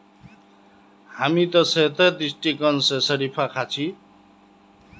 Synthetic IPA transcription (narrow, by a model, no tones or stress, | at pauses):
hamit̪ʌsʌet̪ʌd̪isʈikʌnsʌsʌɾipʰakʰat͡sʰi